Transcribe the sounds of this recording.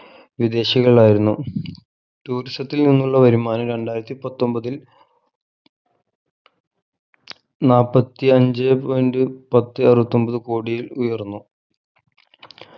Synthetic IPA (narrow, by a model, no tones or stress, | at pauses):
ʋid̪e̞ːɕiɣɐɭaːjiɾunːu | tuːɾistɐt̪ːilninːuɭːɐʋɐɾimːaːnɐɾe̞ɳɖaːjiɾɐt̪ːipɐt̪ːo̞mbɐðil | naːpːɐt̪ːiɐɲd͡ʑɨpojndɨpɐt̪ːɨɐrʋɐt̪ːo̞mbɐðɨko̞ːɽijilujɐrnːu